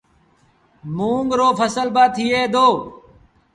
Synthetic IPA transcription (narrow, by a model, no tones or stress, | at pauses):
muːŋɡɾoːpʰəsəlbaːt̪ʰiːeːd̪oː